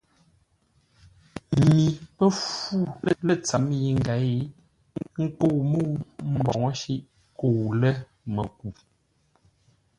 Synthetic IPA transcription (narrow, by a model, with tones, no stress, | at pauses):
mi˨pə˦fu˦˨lə˦˨lə˦t͡sa˨˦mji˨ŋ̩˨ɡa˨˦i˦˨ | ŋ̩˦ko˦˨wmo˦˨˦m̩˦bɔ˨ŋ˦ʃi˦ʔ | ko˦˨wlə˦ | mə˨ku˨